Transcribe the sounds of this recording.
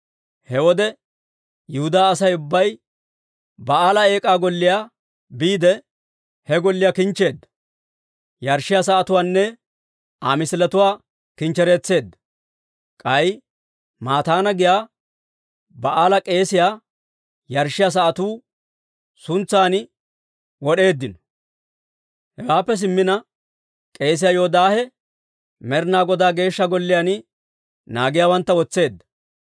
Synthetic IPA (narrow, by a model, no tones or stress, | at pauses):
hɛwɔd̪ɛ | jɪhʊd̪aːs̬ɐjʊbːɐj | bɐaːlɐe̞ːkʼaːɡɔlːɪjaː | biːd̪ɛ | hɛɡɔlːɪjaːkɪnt͡ʃːe̞ːd̪ːɐ | jɐɾʃɪjaːs̬ɐɐt̪ʊwaːnːɛ | aːmɪslɐt̪ʊwaː | kɪnt͡ʃːɛɾe̞ːt͡sːe̞ːd̪ːɐ | kʼɐj | maːt̪aːnɐɡɪjaː | bɐʔaːlɐkʼe̞ːsɪjaː | jɐɾʃːɪjaːs̬ɐʔɐt̪uː | sʊnt͡sːaːnɪ | wɔɗe̞ːd̪ːɪnɔ̥ | hɛɡaːpːɛs̬ɪmːɪnɐ | kʼe̞ːs̬ɪjaːjoːd̪aːhɛ | mɛɾnaːɡɔd̪aːɡe̞ːʃːɐɡɔlːɪjaːnɪ | naːɡɪjaːwɐnt̪ːɐwɔt͡sːe̞ːd̪ːɐ̥